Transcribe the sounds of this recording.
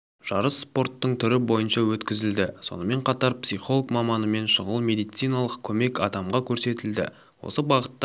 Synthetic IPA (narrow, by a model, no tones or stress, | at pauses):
ʒ̥ɑɾəsːpo̞rt̪ːəɴt̪ʰʏɾɪbo̞jənʃɑwɵt̪kʲɪzɪld̪ɪso̞̰nəme̞ɴqʰɑt̪ɑɾpsijχo̞lˠəkmɑmɑnəme̞nʃəʁəlˠmʲe̞d̪ijt̪sijnɑlˠəqkʲʰɵme̞kɑd̪ɑmʁɑkʲʰɵɾse̞t̪ɪld̪ɪ̰ | wo̞̰səbɑʁət̪ː